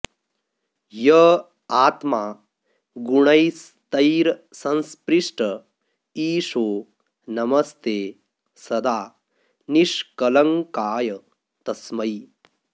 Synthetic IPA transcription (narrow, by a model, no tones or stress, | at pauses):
jɐ | aːt̪maː | ɡuɳɐjs | t̪ɐjɾsɐ̃nspɾiʂʈə | iːʂoː | nɐmɐst̪eː | sɐd̪aː | niʂkɐlɐŋkaːjɐ | t̪ɐsmɐj